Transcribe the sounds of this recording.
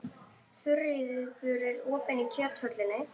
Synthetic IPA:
θʏriðɪðpʏɾɪɾɔːpɛnicʰœːt̪hœt̪lɪnːɪ

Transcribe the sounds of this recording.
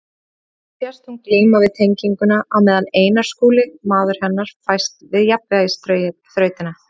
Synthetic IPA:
fjast̪hunkliːmavɪðt̪ʰejɲciŋkʏnaʔawmɛːðaneːjnaɾ̥skuːlɪmaːðʏɾ̥hɛnːaɾ̥fajst̪vɪðjapɪajɪsθɾœːɥt̪ɪna

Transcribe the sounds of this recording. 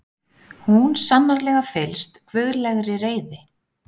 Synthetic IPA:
hunsanːaɾlɛːɣafɪlst̪kʰvʏðɾlɛɣɾɪreːjðɪ

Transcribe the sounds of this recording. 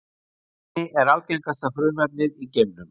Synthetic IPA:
ɪʔɛɾalcɛjŋkast̪afɾʏːmɛp̚nɪðicemnʏm

